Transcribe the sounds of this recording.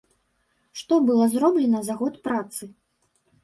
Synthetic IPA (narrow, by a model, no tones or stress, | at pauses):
ʂt̪ɔbɨlˠɔzɾɔblʲɛnɐzaɣɔt̪pɾat̪sɨ